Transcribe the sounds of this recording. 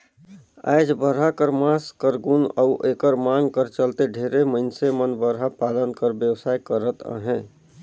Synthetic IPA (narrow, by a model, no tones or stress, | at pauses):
a̰ɪd͡ʒbəɾɦakəɾmaskəɾɡuna̰uʔeːkəɾmaŋɡkəɾt͡ʃəlt̪eɖʱeɾeməɪnsemənbəɾɦapalənkəɾbjəwsaːjkəɾət̪ə̰ɦɛ̃